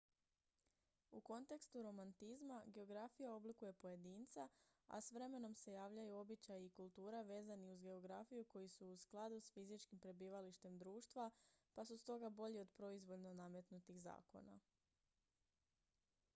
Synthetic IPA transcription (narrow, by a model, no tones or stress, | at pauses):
uko̞nt̪e̞kst̪uɾo̞mant̪izmaɡe̞o̞ɡɾafijao̞blikuje̞poje̞d̪iːnt̪saa̰sʋɾe̞me̞no̞mse̞jaːʋʎajuo̞bit͡ɕajikulˠt̪uːɾaʋe̞ːzaniuzɡe̞o̞ɡɾafijuko̞jisuːsklˠad̪usfizit͡ʃkimpɾe̞biːʋaliʃt̪e̞md̪ɾuːʃt̪ʋapasust̪o̞ɡabo̞ʎio̞d̪pɾo̞izʋo̞ʎno̞namjet̪nut̪iɣza̰ːko̞̰na̰